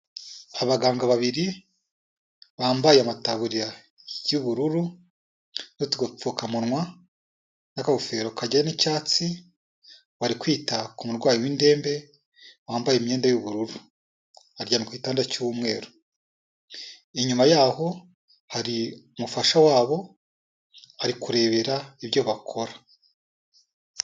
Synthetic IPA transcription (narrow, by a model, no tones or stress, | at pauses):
aβaɡaːŋɡaβaβiɾi | βaːmbajeamataβuɾiɾa | juβuɾuɾu | notuɡop͡fukamunŋwa | nakaofeːɾokaɟaanicaːt͡si | waɾikwiːtakumuɾɡwaːjiwinde̞ːmbe̞ | waːmbajemɲe̞ːndajuβuɾuɾu | aɾɟanukwiːtaːndacuwumŋe̞̰ːɾo | iɲumajaːho̞ | haɾiumufaʃawaːβo̞ | aɾikuɾe̞βe̞ɾaiβjo̞βakʰo̞ɾa